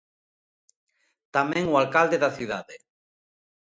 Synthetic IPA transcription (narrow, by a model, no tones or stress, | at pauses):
t̪amɛ̃ŋwalkald̪eðaθiðaðe